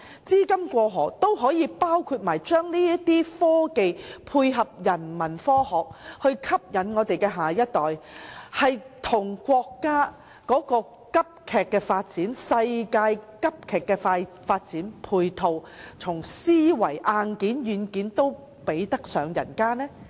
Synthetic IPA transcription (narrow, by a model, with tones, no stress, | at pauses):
t͡siː˥kɐ˥mkʷɔː˧ɦɔː˨˩t̪o˥wɦɔː˨˥jiː˨˧paː˥wkʰuː˧t̚maː˨˩jt͡ʃœː˥ŋliː˥jɐ˥t̪iː˥fɔː˥ke˨jpʰuː˧jɦɐ˨p̚jɐ˨˩nmɐ˨˩nfɔː˥hɔː˨k̚hɵ˧ɥkʰɐ˥p̚jɐ˨˥nŋɔː˨˧t̪e˨jkɛː˧ɦaː˨˩jɐ˥t̚t̪ɔː˨˩jhɐ˨jt̪ʰʊ˨˩ŋkʷɔː˧kːaː˥ | kɔː˨˥kɔː˧ | kɐ˥p̚kʰɛː˨kːɛː˧faː˧t̚t͡siː˨˥nsɐ˧jkaː˧jkɐ˥p̚kʰɛː˨˩kːɛː˧faː˧j | faː˧t̚t͡siː˨˥npʰuː˨˧jt̪ʰo˨w | t͡sʰʊ˨˩ŋsiː˥wɐ˨˩jʔaː˧nkiː˨˥njyː˨nkiː˨˥nt̪o˥w | pe˨˥jt̪ɐ˥k̚sœː˨˧ŋjɐ̰˨˩nkaː˥nɛː˥